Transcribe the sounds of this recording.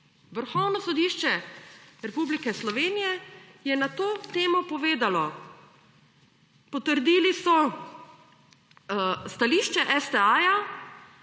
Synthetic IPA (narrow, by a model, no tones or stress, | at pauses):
ʋəɾxɔwnɔsɔd̪iːʃt͡ʃɛɾɛpublikɛslɔʋeːnijɛjɛnat̪oːt̪eːmɔpɔʋeːd̪alɔ | pɔt̪əɾd̪iːlisɔ | st̪aliʃt͡ʃɛʔɛst̪ɛaːja